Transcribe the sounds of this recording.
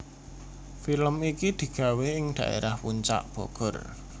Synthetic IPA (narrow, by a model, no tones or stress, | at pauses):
filəmikid̪̥i̤ɡ̥a̤wehɪŋd̪̥ä̤ʔḛɾahpuɲt͡ʃa̰ʔb̥ɔ̰ɡ̥ɔ̤r